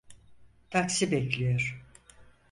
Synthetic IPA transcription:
t̪ʰaksibɛclʲijoɾ̥

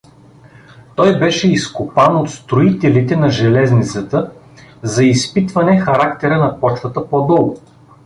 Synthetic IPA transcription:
t̪ɔjbɛʃɛiskʊpanot̪st̪ɾʊit̪ɛlit̪ɛnɐʒɛlɛznit̪sət̪ə | zɐispit̪vɐnɛxɐɾak̚t̪ɛɾənɐpɔt͡ʃt̪ət̪əpɔd̪ɔlˠɡʊ

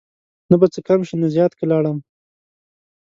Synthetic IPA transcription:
nabat͡səkamʃinazjɑt̪kəlɑɽəm

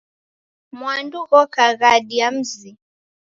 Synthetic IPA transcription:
mwanduɣɔkaɣaɗiam̩zi

